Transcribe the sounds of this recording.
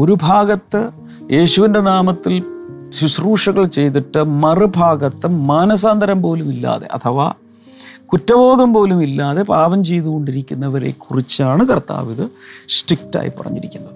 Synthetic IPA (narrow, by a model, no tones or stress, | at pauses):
o̞ɾubʱaːɡɐt̪ːɨ | jʔe̞ːɕuʋinde̞naːmɐt̪ːil | suɕruːʂɐɣɐɭt͡ɕe̞jt̪̬iʈːɨmɐrɨbʱaːɡɐt̪ːɨmaːnɐs̬aːnd̪ʱɐɾɐmpo̞ːlumilːa̰ːðe̞̰ʔɐ̰t̪ʰɐʋa̰ | kutːɐbo̞ːðɐmpo̞ːlumilːaːðe̞paːʋɐmt͡ɕe̞jðuɣo̞ɳɖiɾikʲːunːɐʋɐɾe̞̰kːurit͡ɕːaːɳɨkɐrt̪a̰ːʋiðɨsʈrik̚ta̰ːjḭpɐrɐ̰ɲːiɾikʲːunːɐðɨ